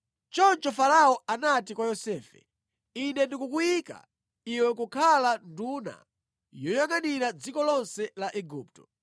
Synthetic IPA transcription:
t͡ʃɔnt͡ʃɔfaɾaɔʔanatikwajɔsɛːfɛ̰ | inɛndikukuika̰ | iwɛkukʰalanduna̰ | jɔjaŋaniɾad͡zikɔlɔnsɛlaʔɛɡuːp̚tɔ̥

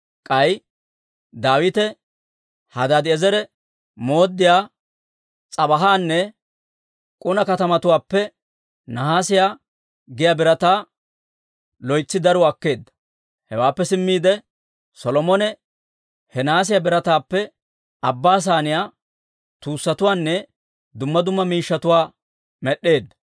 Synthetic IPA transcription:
kʼɐj | d̪aːwɪt̪ɛ | hɐd̪ad̪ɪɛzɛɾɛ | mo̞ːd̪ːɪjaː | t͡sʼɐbɐɦaːnːɛ | kʼʊnɐkɐt̪ɐmɐt̪ʊwaːpːɛ | nɐɦaːsɪjaː | ɡɪjaːbɪɾɐt̪aː | lɔjt͡sːɪd̪ɐɾʊɐkːe̞ːd̪ːɐ̥ | hɛwaːpːɛsɪmːiːd̪ɛ | sɔlɔmɔnɛ | hɛnaːs̬ɪjabɪɾɐt̪aːpːɛ | ɐbːaːs̬aːnɪjaː | t̪uːsːɐt̪ʊwaːnːɛ | d̪ʊmːɐd̪ʊmːɐmiːʃːɐt̪ʊwaː | mɛɗːe̞ːd̪ːɐ

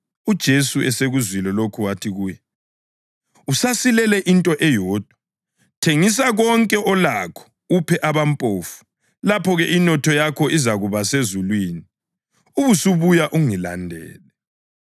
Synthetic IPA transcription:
ud̥ʒ̥ʱesuɛseɣuzwilɔlokʰuwatʰiɣuːjɛ | usasilɛlɛʔintʼɔʔɛjɔːd̥ʱwa | tʰeŋis̬aɣɔŋkʼɛʔɔlakʰɔ̥ | upʰɛʔaβampʼoːfu̥ | lapʰɔɣɛʔinɔtʰɔjakʰɔʔizaɣuβasezulwiːni | uβusuβujaʔuŋila̰ndʱɛ̰ːlɛ

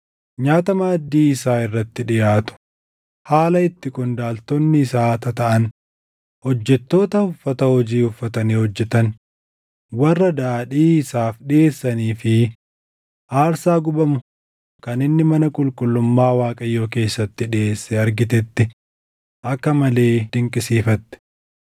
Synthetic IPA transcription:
ɲaːt̪ɐmaːd̪ːiːɪsaːɪrːɐt̪ːɪᶑɪjaːt̪ʊ̥ | haːlɐɪt̪ːɪkʊnd̪aːlt̪ɔnːɪːsaːt̪ɐt̪ɐʔɐn | hɔd͡ʒːɛt̪ːo̞ːt̪ɐʊfːɐt̪ɐhɔd͡ʒiːʊfːɐt̪ɐniːhɔd͡ʒːɛt̪ɐn | wɐrːɐd̪aːᶑiːɪsaːfɗɪeːsːɐniːfɪ | ʔaːɾsaːɡʊbɐmʊ | kɐnɪnːɪmɐnɐkʼʊlkʼʊlːʊmːaːwaːkʼɐjːo̞ːke̞ːsːɐt̪ːɪᶑɪʔeːsːɛɐɾɡɪt̪̬ɛt̪ːɪ | ʔɐkːɐmɐle̞ːd̪̥ɪŋkʼɪsiːfɐt̪ːɛ̥

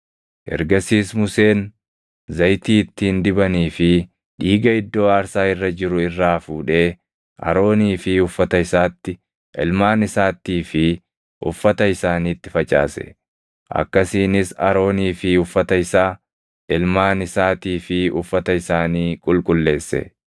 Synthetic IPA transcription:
ʔɛ̰ɾɡɐsiːsmʊseːn | zɐjt̪iːɪt̪ːiːnd̪ɪbɐniːfɪ | ᶑiːɡɐɪd̪ːo̞ːaːɾsaːɪrːɐd͡ʒɪɾʊɪrːaːfuːᶑe̞ː | ʔɐ̰ɾo̞ːniːfɪʊfːɐt̪ɐɪsaːt̪ːɪ | ʔɪ̰lmaːnɪsaːt̪ːiːfɪ | ʔʊ̰fːɐt̪ɐɪsaːniːt̪ːɪ̥fɐt͡ʃʼa̰ːsɛ̰ | ʔɐ̰kːɐsiːnɪsɐ̰ɾo̞ːniːfɪʊfːɐt̪ɐɪsaː | ɪlmaːnɪsaːt̪iːfɪʊfːɐt̪ɐɪsaːniːkʼʊlkʼʊlːe̞ːsːɛ̰

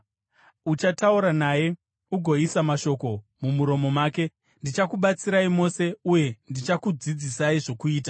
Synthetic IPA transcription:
ut͡ʃatauɾanaːje̞ | uɡʱo̞isamaʃo̞ko̞mumuɾo̞mo̞maːke̞ | ndit͡ʃakuɓat͡siɾaimo̞se̞uje̞ndit͡ʃakud͡zid͡zisaiʐo̞kuiːt̬ḁ

